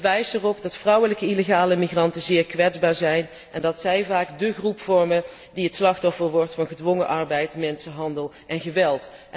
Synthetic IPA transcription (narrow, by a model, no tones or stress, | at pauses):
ʋɛjsɛrɔpdɑtfrʌwələkəileχaːləmirɑntəzɪːɹkʋɛdzbaːɹzɛjn | ɛndɑtsɛjvaːɡdəχrupfɔɹmə | diɦətslɑχtɔfəɹʋɔɹtfɑnχədʋɔŋəʔɑɹbɛjtmɛnsəɦɑndəlˠ | ʔɛnχəʋɛlˠt